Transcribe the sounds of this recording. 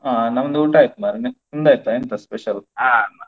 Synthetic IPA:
anɐmɐnd̪uːʈaːjt̪ːumaɾne | und̪aːjt̪ːaent̪ɐspeʃɐlama

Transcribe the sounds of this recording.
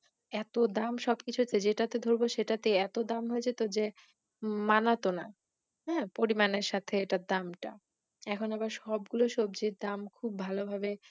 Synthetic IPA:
ɛt̪od̪amʃɔbkit͡ɕʰuɦet͡ɕʰed͡ʑeʈat̪ed̪ʱoɾboʃeʈat̪eɛt̪od̪amɦoet͡ɕʰet̪od͡ʑe | manat̪ona̰ | ɦɛ̃poɾimaneɾʃat̪ʰeeʈad̪amʈa | ɛkʰonabaɾʃɔb̚ɡuloʃob̚d͡ʑed̪amkʰubːʱalobʱabe

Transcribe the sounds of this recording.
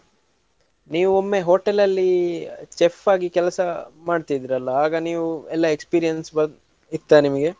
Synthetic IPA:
niːʋuomːe̞ɦoːʈelɐlːit͡ʃefaːɡikɛlɐsɐmaːɖt̪id̪iɾɐlːɐaːɡɐniːʋuɛlːɐekspiːɾijɐnsbɐ | it̪ːanimɐɡe̞

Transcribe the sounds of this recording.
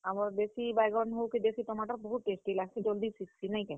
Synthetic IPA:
amɔɾbesibajɡɔnɦowkib̪esit̪ɔmaʈaɾbɔɦut̪̚ʈesʈilaɡsid͡ʒold̪isiksinaĩkɛ

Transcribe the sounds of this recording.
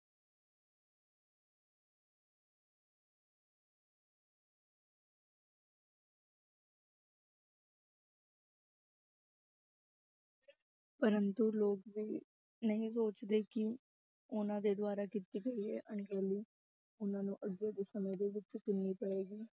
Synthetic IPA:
pəɾənt̪uloːkʋiː | nəɦĩːs̬oːt͡ʃd̪eːkɪ | ʊnãːd̪eːd̪waːɾaːkɪt̪iːɡəiːɦɛːʔəɳɡɛːliː | ʊnãːnũːʔəɡːeːd̪eːsəmeːd̪eːʋɪt͡ʃkɪnːiːpəeːɡiː

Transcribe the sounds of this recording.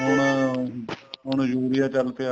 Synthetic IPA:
ɦʊɳ | ɦʊɳd͡ʒuːɾɪjaːt͡ʃəlt̪eaː

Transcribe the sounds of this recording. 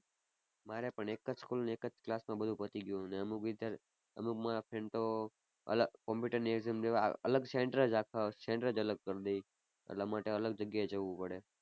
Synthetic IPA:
maɾepəɳekəd͡ʒskulneːkəd͡ʒklasmãbəd̪ʱũpət̪iɡjũneəmuid̪ʱɾ | əmukmãpʰeɳt̪o | ə̰ləkɔ̃mpuʈəɾnieɡzemd͡ʒeʋaə̰ləɡseɳʈəɾəd͡ʒakʰaseɳʈəɾəd͡ʒələɡ̚kəɾd̪ei | ə̰ʈlamaʈeələɡ̚d͡ʒəɡjaed͡ʒəʋũpəɽe

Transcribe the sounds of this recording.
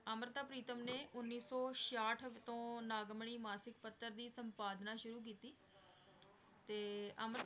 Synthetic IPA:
əmɾət̪aːpɾiːt̪əmneːʔʊnːiːsɔːʃaːʈʰt̪õːnaːɡmɳ̃iːmaːsɪk̚pət̪ːəɾd̪iːsəmpaːd̪naːʃʊɾuːk̬iːt̪iː | t̪eːəmɾ

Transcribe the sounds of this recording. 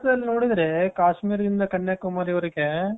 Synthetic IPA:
t̪ɐd̪ɐlːnoːɽid̪ɾekaːʂmiːɾɐd̪ind̪ɐkɐɳːjaːkːumaːɾiɐɾɯkːe

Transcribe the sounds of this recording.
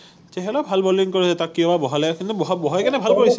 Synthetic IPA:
tɛɦɛlabʱalbɔliŋkoɹisɛtakːiɔbabɔɦalɛkint̪ubɔɦɔbɔɦɔjkɛnɛbʱalkoɹisɛ

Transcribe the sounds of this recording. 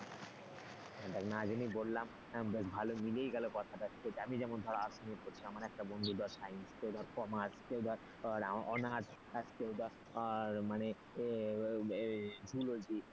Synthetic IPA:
ɖaknaad͡ʑamibolːam | beʃbʱalomilejɡɛlokɔt̪ʰaʈaask̪et͡ɕamid͡ʑɛmond̪ʱɔɽaasonikoɾt͡ɕʰiamaɾɛk̚ʈabond̪ʱud̪ʱaɾsajnskewd̪ʱɔaɾkɔmaskewd̪ʱaɾ | ɾaɔnaʈ | askewd̪ʱa | ɾmane | d͡ʑʱulod͡ʑi

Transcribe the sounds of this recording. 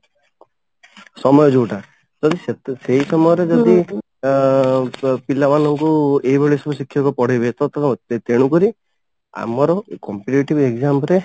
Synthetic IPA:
sɔmɔjɔd͡ʒuʈa | d͡ʒɔd̪iseɦisɔmɔjɔɾed͡ʒɔd̪i | pilabanɔŋkueɦibeɭisɔbɔsikʰjɔkɔpɔɽ̤ebet̪ɔt̪ɔt̪eɽ̃ukɔɾi | a̰mɔɾɔkɔmpiʈeʈibeɡzampɾe

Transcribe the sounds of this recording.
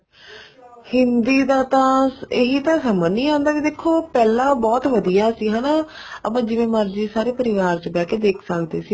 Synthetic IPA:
hɪnd̪iːd̪aːt̪ãːɪɦiːt̪ãːsəmənːĩːãːnd̪aːkid̪eːkʰːoːpɛːlãːbɔːt̪ʋəd̪ijaːsiːɦãːnaːəpãːd͡ʒɪʋẽːməɾd͡ʒiːsaːɾeːpəɾɪʋaːɾt͡ʃːbɛːkeːd̪eːkʰsəkd̪eːsiː

